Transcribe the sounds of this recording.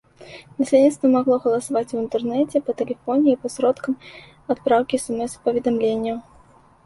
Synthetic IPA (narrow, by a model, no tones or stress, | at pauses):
nɐsʲlʲedʲit̪st̪vɐmaɣlˠɔɣɐlˠɐsavat͡sʲuvɨnt̪ɛrnɛt͡sʲɛpɐt̪ɛlʲɛfɔnʲɪːpɐsɾɔt̪kɐm | at̪pɾawkʲiɛsɛmɛspɐvʲɪd̪amlʲenʲːɪjʊ